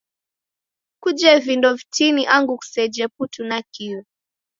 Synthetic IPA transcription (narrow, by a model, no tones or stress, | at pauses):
kud͡ʒɛvindɔvitiniʔaŋɡuku̥sɛd͡ʒɛputunakiu